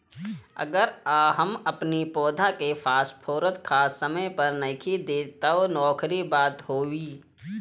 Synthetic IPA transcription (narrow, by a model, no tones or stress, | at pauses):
ə̰ɡəɾaːɦəmɐpnipɔːd̪ʱakefʰaːspʰoːɾət̪kʰaːsːəməjpɐɾnɐkʰid̪eːt̪aɦonɔːkɾibaːt̪ɦoːwiː